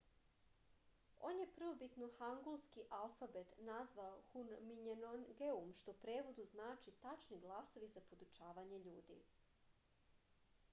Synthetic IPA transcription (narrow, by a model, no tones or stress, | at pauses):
o̞̰ːnje̞pr̩ʋobit̪noxaŋɡulˠskiʔalˠfabet̪nazʋaoxunmiɲenonɡeumʃt̪o̞pɾe̞ːʋo̞d̪uznaːt͡ʃit̪at͡ʃniɡlˠaso̞ʋizapod̪ut͡ʃaːʋaɲeʎuːd̪ḭ